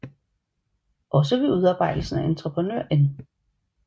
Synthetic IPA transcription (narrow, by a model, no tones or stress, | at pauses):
ʔɒ̽s̬əʋe̝ʔuð̞ˠɑ̈ːb̥ɑ̈ɪ̰d̥l̩sn̩æʔent͡sʰʁəpʰʁənøɐ̰ʔen